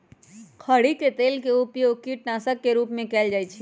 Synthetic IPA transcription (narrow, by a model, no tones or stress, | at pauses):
kʰəɽiket̪eːlkeupjoɡ̚kiʈnasəkːeɾuːpmẽkɛld͡ʒaːjt͡ʃʰi